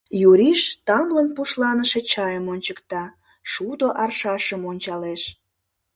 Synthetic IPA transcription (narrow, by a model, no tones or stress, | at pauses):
juɾʲiʃt̪ɑmlənpuʃlɑnəʃe̽t͡ɕɑjəmonʲt͡ɕəkt̪ɑ | ʃud̪oʔɑrʃɑʃəmonʲt͡ɕɑleʃ